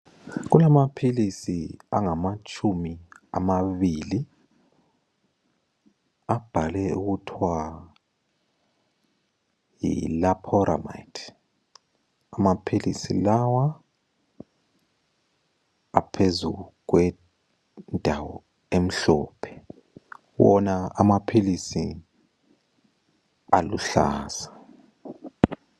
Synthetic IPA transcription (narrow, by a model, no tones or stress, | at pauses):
ɣulamapʰilisiaŋamat͡ʃʼʰumiamaβili | ab̥ʱalɛuɣutʰwa | jḭlapʰɔɾa̰ma̰jtʰ | amapʰilisilawa | pʰezuk̬wɛ | ndʱawɔ | em̩ɬɔːpʰɛ̥ | wɔnaamapʰilisi | aluɬa̰ːzḁ